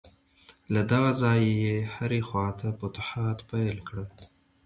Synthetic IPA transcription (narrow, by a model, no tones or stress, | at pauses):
lad̪aɣazɑjjehaɾexwɑt̪ʰapʊt̪ʊħɑt̪pajlkɽə